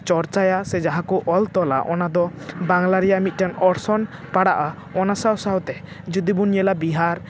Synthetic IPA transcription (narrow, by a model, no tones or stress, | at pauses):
t͡ʃɔɾt͡ʃajasɛd͡ʒaɦãkɔʔɔlt̪ɔla̰ʔɔnad̪ɔbaŋlaɾijaʔmit̪̚ˀʈanɔɾsɔnpaɽaʔa | ɔnasawsaɦwt̪ɛ | d͡ʒud̪ibunjɛlabiɦaɾ